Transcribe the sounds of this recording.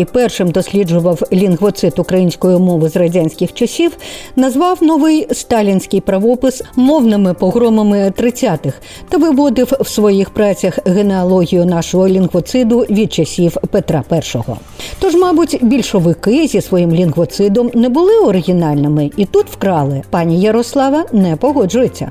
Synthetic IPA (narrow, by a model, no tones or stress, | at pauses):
ipɛrʃɪmd̪ɔsʲlʲid͡ʒʊʋɐwlʲinɣʋɔt̪sɪt̪ʊkɾɐjinʲsʲkɔjʊmɔʋɪzrɐdʲanʲsʲkʲɪxt͡ʃɐsʲiwnɐzʋɑwnɔʋɪjst̪ɑlʲinʲsʲkɪjpɾɐʋɔpɪsmɔwnɪmɪpɔɣɾɔmɐmɪt̪ɾɪt͡sʲːat̪ɪx | t̪ɐʋɪʋɔd̪ɪwwsʋɔjixpɾɑt͡sʲɐxɣeneɔlˠɔɦʲijʊnɑʃɔɦɔlʲinɣʋɔt̪sɪd̪ʊʋʲid̪̚t͡ʃɐsʲiwpet̪ɾɑpɛrʃɔɦɔ̰ | t̪ɔʒmɑbʊtʲbʲilʲʃɔʋɪkɪzʲisʋɔjimlʲinɣʋɔt̪sɪd̪ɔmnɛbʊlˠɪɔɾɪɣʲinɑlʲnɪmɪit̪ut̪w̥kɾɑlˠɪpɑnʲijɐɾɔslˠɑʋɐnɛpɔɦɔd͡ʒʊjet͡sʲːɐ̰